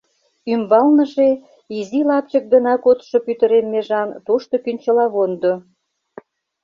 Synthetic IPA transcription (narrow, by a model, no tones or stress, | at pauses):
ymbɑlnə̆ʒe | izilɑpt͡ɕək̚d̪ənɑkot̪ʃopyt̪ə̆ɾemːeʒɑnt̪oʃt̪ŏkynʲt͡ɕəlɑβond̪o